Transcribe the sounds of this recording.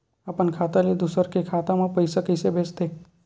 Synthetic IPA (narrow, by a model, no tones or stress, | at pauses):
əpənkʰaːt̪aled̪usəɾkekʰat̪amãpəjsəkəɪsebʱeːt͡ʃd̪ek